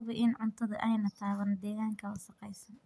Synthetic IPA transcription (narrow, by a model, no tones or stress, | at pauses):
βɐʔɪnʕʊnt̪ʰɐðɐʔɛjnɐt̪ʰaːɣɐnd̪ɛːɣaːŋkʰɐlɐʃɐqɛjsɐn